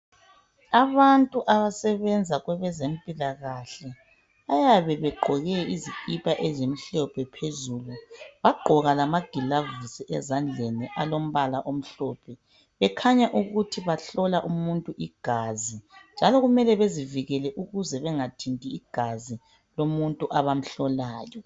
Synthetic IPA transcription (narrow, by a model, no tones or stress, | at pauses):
aβantʼuʔaβasɛβɛnd͡zʱaɣwɛβɛzempʼilaɣaɬɛ | ajaβɛβɛɡ͡ǃʱɔɣɛizikʼipʰʼaʔɛzemiɬɔpʰɛpʰezuːluβaɡ͡ǃʱɔɣalamaɡ̥ʱilavusiʔɛzand͡ɮʱeniʔalom̩βalaʔom̩ɬɔpʰɛ | βɛkʰaɲaʔuɣutʰiβaɬɔlaʔumuntʼuʔiɡ̥ʱazind͡ʒʱalɔɣumɛlɛβeziviɣɛlɛʔuɣuzɛβɛŋatʰintʼiːɡ̥ʱazi | lomuntʼuʔaβam̩ɬɔlaːjɔ